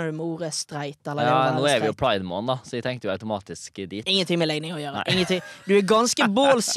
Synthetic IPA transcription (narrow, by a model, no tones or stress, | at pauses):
əɹmuːɾəst̪ɾæɪt̪ɛlːənuːɛɾʋɪjʊpʰɽɑɪd̪moːnd̪ɑsɔʋɪt̪ʰɛŋkt̪əjʊɑʉt̪ʊmɑːt̪ɪskd̪iːt̪ɪŋːənt̪ʰɪŋmɛlɛɡnɪŋɔjøːɾəʔɪŋːənt̪ɪŋd̪ʉæɾɡɑnskəboːls